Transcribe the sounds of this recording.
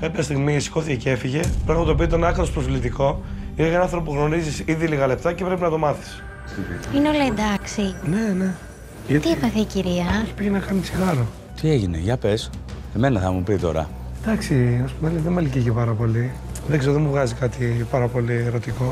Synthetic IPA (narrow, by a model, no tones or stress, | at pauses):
kɐpçɐst̪iɣmisi̥ko̞θicecefiʝe̞pɾɐxmɐt̪opiot̪nɐkɾɐt̪ospɾoflit̪iko̞ieʝɐnɐnθɾo̞p̬uɣno̞ɾizisiðiliɣɐle̞p̚t̪ɐcepɾe̞pinɐt̪o̞mɐθi̥s | ineo̞lɐend̪ɐksinene | ʝɐt̪iefɐθeiciɾiɐeçi̥piɣenɐkɐnisi̥xɐɾo | t̪ie̞ʝine̞̰ʝɐpe̞s | eme̞nɐθɐmupit̪o̞̰ɾɐ̰ | d̪ɐksiɐspumeliðemɐliciʝepɐɾɐpo̞liðkseɾoðemuvɣɐzikɐt̪ipɐɾɐpo̞lieɾo̞t̪iko̞